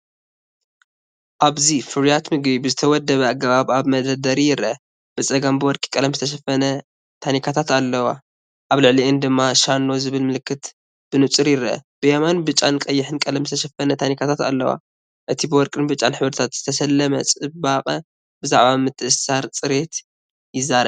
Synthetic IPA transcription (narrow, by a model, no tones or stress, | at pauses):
ʔaβzifɨɾijat̪mɨɡbibɨzɨt̪ʰɐwɔd̪ːɐβɐaɡɐβaβaβmɐd̪ɐd̪ɐɾijɪɾʔɐ | b̥ɨt͡sʼɐɡɐmbɨwɔɾkʼi̥kʼɐlɐmzɨt̪ʰɐʃ̬ɐfːɐnɐ | t̪ʰanikʰat̪ʰat̪alːɐwa̰ | ʔaβlɨʕliʔɨnd̪ɨmːaʃanːo̞zɨβɨlmɨlɨkːɨt̪ | b̥ɨnɨt͡sʼɨɾjɪɾʔɐ̰b̥ɨjamanbɨt͡ʃʼːankʼɐjːɪħɨnkʼɐlɐmzɨt̪ʰɐʃɐfɐnɐt̪ʰanikʰat̪ʰat̪a̰lːɐwa̰ | ʔɨt̪ʰibɨwɔɾkʼɨnbɨt͡ʃʼːanħɨβɾɨt̪ʰat̪z̥ɨt̪ʰɐsɐlːɐmɐt͡sʼɨbaqʼɐ | bɨzaʕβamɨt̪ʰːɨʔɨsaɾt͡sʼɨɾet̪ | jɪzːaɾɐβ